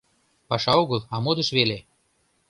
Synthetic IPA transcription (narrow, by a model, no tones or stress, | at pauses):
pɑʃɑoɣəlˠɑmod̪ə̆ʃβele